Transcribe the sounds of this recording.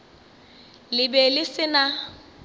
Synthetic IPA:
lɪbɛlɪsɪna

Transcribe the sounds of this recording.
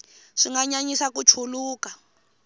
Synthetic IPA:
ʂiŋɡaɲaɲisakut͡ʃʰuluːka

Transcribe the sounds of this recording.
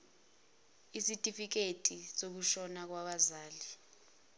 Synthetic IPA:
isitʼifik̬etʼisok̬uʃɔnak̬waɓazaːli

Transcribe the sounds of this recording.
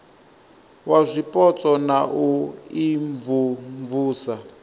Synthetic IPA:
wazʷipʼɔt͡sʼɔnaʔuiɱvuɱvuːsa

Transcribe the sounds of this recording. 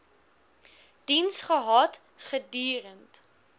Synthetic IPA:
d̥insχəɦɑt | χədyːɾənt

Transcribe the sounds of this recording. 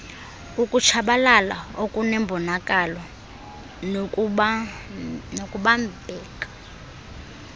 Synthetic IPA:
ukʼut͡ʃʰaɓalala̰okʼunɛmbʱɔnakʼalɔ | nokʼuɓambʱɛːkḁ

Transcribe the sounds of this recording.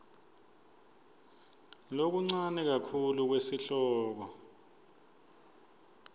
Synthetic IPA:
lok̬uŋ͡ǀanɛk̬akʰuluk̬wesiɬɔːk̬ɔ

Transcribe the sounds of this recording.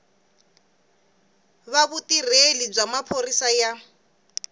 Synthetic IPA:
βaβutirelib͡ʐamapʰorisaja

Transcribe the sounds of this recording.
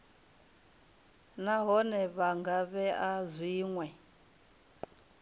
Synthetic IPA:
naɦɔnɛβaŋɡaβɛʔazwiːŋwɛ

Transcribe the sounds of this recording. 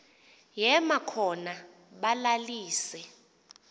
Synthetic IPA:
jɛmakʰɔna | ɓalaliːsɛ

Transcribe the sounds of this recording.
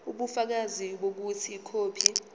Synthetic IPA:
uɓufak̬aziɓok̬utʰikʰoːpʰi

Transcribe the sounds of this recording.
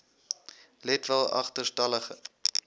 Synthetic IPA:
lɛtvəlˠɐ̰χtərstɐləχə

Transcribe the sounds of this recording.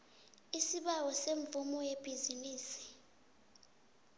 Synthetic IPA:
isiɓawɔseɱb̪vumɔjeb̥ʱiziniːsi̥

